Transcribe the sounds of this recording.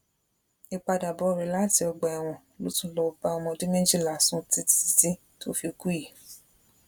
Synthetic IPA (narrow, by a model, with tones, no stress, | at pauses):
i˧k͡pa˧da˨bɔ˨˦˨ɾɛ˨˦la˦˨ti˧ɔ˧ɡ͡bɔ˨ɛ˨w̃ɔ̃˨lo˨˦tũ˦lɔ˧o˧ba˧ɔ˧mɔ̃˧di˦nẽ˦d͡ʒi˦˨la˨sũ˦ti˧ti̥˨si˧tĩ˦ | to̰˦fi˧o˧ku˦ji˨